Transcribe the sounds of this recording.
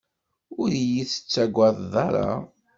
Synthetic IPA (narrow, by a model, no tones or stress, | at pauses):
ʊɾjiθə̥t͡sːæɡʷɑððˤɑɾˤɑ̰